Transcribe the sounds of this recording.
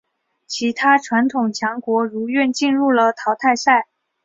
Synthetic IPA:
t͡ɕʰi˧˥t̪ʰa˥ʈ͡ʂʰwa˧˥nt̪ʰʊ˨˩ŋt͡ɕʰjɑ˧˥ŋkwɔ˧˥ɻu˧˥ɥɛ˥˧nt͡ɕi˥˧nɻu˥˩lə˩t̪ʰɑ˧˥ʊt̪ʰa˥˧ɪsa˥˩ɪ

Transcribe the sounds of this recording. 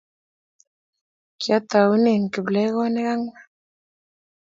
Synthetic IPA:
kja˦t̪a˨u˦ne˨ŋ˨kɪ˨blɛ˦ɣɔ˦ne˦ɣa˦ŋ

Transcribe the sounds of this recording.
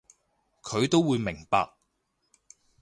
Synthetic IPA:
kʰɵ˨˧ɥt̪o˥wwuː˨˧jmɪ˨˩ŋpa̰ː˧k̚

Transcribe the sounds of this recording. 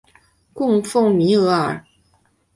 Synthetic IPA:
kʊ˥˧ŋfʊ˥˩ŋmi˧˥ɤ˧˥ə̰˞˨˩˦

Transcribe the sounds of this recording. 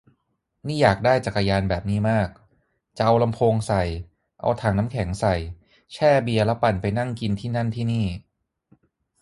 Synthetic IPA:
niː˥˩jaː˨˩k̚daː˥˩jt͡ɕa˨˩kːa˧jaː˧nbɛː˨˩p̚niː˦˥˩maː˥˩k̚ | t͡ɕa˨˩ʔa˧wla˧mpʰoː˧ŋsa˨˩j | ʔa̰˧wt̪ʰaː˧˩ŋna˦˥mkʰɛ˨˩˦ŋsa˨˩j | t͡ɕʰɛː˥˩bi˧ɐlɛ˦˥pa˨˩npa˧jna˥˩ŋki˧nt̪ʰiː˥˩na˥˩nt̪ʰiː˥˩niː˥˩

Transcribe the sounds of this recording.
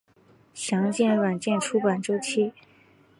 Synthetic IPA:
ɕjɑ˧˥ŋt͡ɕjɛ˥˩nɻwa˨˩nt͡ɕjɛ˥˧nʈ͡ʂʰu˥pa˨˩nʈ͡ʂo˥ʊt͡ɕʰi˥

